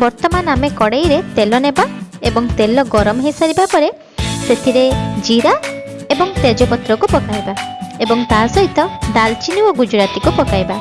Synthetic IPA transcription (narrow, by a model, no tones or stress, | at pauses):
bɔɾt̪ɔmanamekɔɽejɾet̪elɔnebaebɔŋt̪elɔɡɔɾɔmɔɦesaɾibapɔɾe | set̪ʰiɾed͡ʒiɾa | ebɔŋt̪ed͡ʒɔpɔt̪ɾɔkupɔkaibaebɔŋt̪aɦsɔɦit̪ɔɖalt͡ʃinuɔɡud͡ʒuɾat̪ikupɔkajba